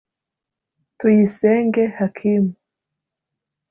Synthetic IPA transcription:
tujiseːŋɡehakʰimu

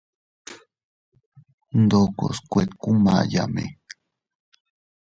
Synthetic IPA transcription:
nd̪oko̰skʷet̪kuma̰jamḛ

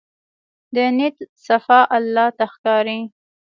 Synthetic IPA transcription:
d̪ənit̪safɑʔalːɑt̪axkɑɾi

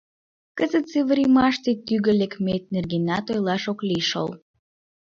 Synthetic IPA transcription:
kəzət̪seβəɾʲimɑʃt̪et̪yɣə̆lekmet̪̚nerɡenɑt̪ojlɑʃokliʃo̰l

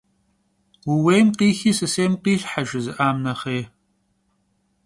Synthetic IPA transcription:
wuweːmqiːxiːsɨseːmqiːɬħaʒɪzɨʔaːmnɐχeː

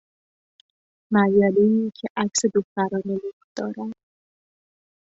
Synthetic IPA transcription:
mæjɒːleiːcʲʰeʔækse̞d̪oxt̪æɾɒːnelufd̪̥ɒ̰ːɾænd̪̥

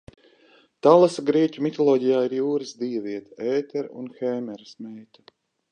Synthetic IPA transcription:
t̪alˠasɡɾiɛcʲumit̪ɔlˠɔːɟijaːiɾjuːɾɨsd̪iːviɛt̪aɛːt̪ɛɾṵnxɛːmɛɾsmɛjt̪ḁ

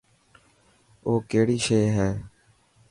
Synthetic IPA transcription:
oːkeːɽiːʃeːɦɛː

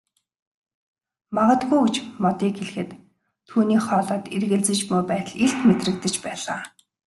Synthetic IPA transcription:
maʁə̆t̪ɡujut͡ɕmɔt̪iːkxeɮxɘ̆t̪ʰː | uːniːχɔːɮɔːt̪erɣɘ̆ɮt͡sɘ̆t͡ɕmujpæːt̪ə̆ɮeɬt̪met̪rɘ̆k̚t̪ɘ̆t͡ɕpæːɮaː

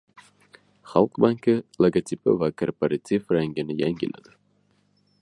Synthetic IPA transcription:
χalˠqbaŋkɨlˠaɡat̪ʲʰipɨ̰vakʰorpaɾat̪ʰʲifɾaŋɡʲɪnɪjaŋɡʲina̰d̪ɪ

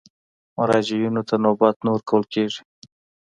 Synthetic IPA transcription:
mʊɾɑd͡ʒijinot̪anobat̪noɾkawəlkeʐi

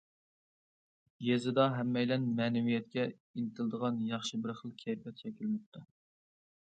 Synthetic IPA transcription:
jezɪd̪ɑɦɛmːɛjlɛnmɛːnɪwijɛt̪̚kʲɛ | ilɪt̪ʰɪlˠd̪əʁɑnjɑχʃɪbɪɾχəlˠkʲʰɛjpʰɛt̪̚t͡ʃʰɛkʲʰilmɨp̚t̪ʰu

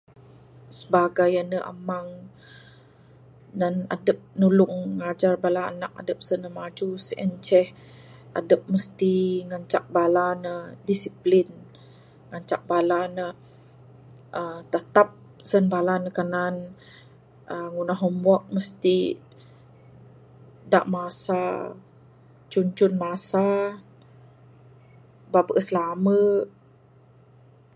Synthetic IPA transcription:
səbaɡajənːəʔa̰maŋ | dana̰dəp̚nulʊŋŋad͡ʒarbala̰ːnak̚a̰dəp̚sənːəmad͡ʒusə̰nt͡ʃɛh | ʔa̰dəp̚məst̪iŋaɲt͡ʃak̚balanədisiplin | ŋaɲt͡ʃa̰k̚balanə | ʔət̪ət̪ap̚ | sənbalanəkanan | əŋunaɦɔmbɔʔ̚məst̪i | da̰ʔmasa | t͡ʃuɲt͡ʃʊnmasa | babəʔəsəlamə

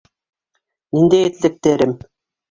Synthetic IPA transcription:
nind̪ejet̪ɘ̆lɘ̆p̚t̪eɾɘm

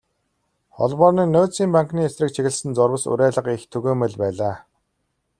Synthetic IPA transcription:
χɔ̰ɮpɔːniːnʊːt͡siːmpaŋkniːesrɘ̆k̚t͡ɕʰiɣɘ̆ɮsɘ̆nt͡sɔrwə̆sṵɾæːɮə̆qixt̪ʰɵɣeːmɘ̆ɮpæːɮaː

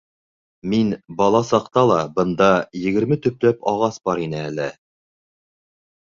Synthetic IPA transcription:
minbɑlˠɑsɑqt̪ɑlˠɑbɤ̆nd̪ɑjɘ̆ɡɘ̆ɾmɘt̪ɵ̆p̚læpɑʁɑsbɑɾinɘælɘ

